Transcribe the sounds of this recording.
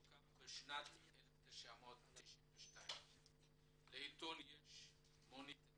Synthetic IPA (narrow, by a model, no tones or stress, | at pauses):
kabeʃnat̪eleft̪eʃaamot̪tːeʃinveʃtaim | leit̪onjeʃ | monit